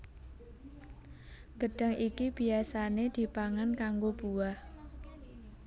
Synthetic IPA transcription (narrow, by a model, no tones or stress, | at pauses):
ɡ̥əɖ̥ə̤ŋʔikib̥iasaned̪̥i̤paŋankaŋɡob̥uwah